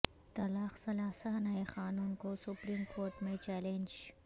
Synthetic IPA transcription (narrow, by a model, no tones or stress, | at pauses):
t̪ɐlɑːxsɐlaːsaːnaexɑːnunkosʊpɾiːmkʰoːɾʈmet͡ʃɛlend͡ʒ